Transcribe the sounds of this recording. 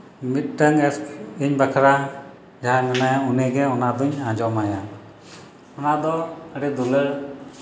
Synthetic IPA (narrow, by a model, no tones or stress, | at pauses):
mit̪̚ʈəŋɛsiɲbakʰɾa | d͡ʒaɦamɛnajaunɛɡɛɔnad̪ɔɲãd͡ʒɔmaja | ɔnad̪ɔəɽɛd̪uləɽ